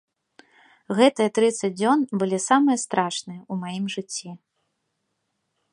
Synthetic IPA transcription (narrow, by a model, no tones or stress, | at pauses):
ɣɛt̪ɨjɐt̪ɾɨt̪sɐd͡z̚ʲd͡zʲɔnbɨlʲisamɨjɐst̪ɾʔaʂnɨjɐumajimʐɨt͡sʲːi